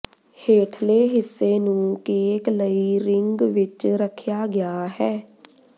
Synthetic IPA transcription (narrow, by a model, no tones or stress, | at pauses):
heːʈʰleːɦɪsːeːnũːkeːkləiːɾɪŋɡʋɪt͡ʃɾəkʰjaːɡɪjaːɦɛː